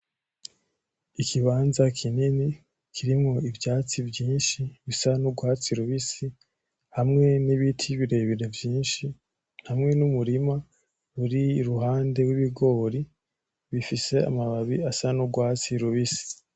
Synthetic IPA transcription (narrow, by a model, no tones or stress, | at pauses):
ikʰiβaːnzakʰinini | kʰiɾimoivjaːt͡sivjiːnʃiβisanuɡwaːt͡siɾuβisi | hamŋe̞niβitʰiβiɾe̞βeɾevjiːnʃi | n̥hamŋe̞numuɾima | ɾuɾiɾuɦaːnde̞wiβiɡo̞ːɾi | βifise̞a̰maβaβiasanuɡwaːt͡siɾuβisi̥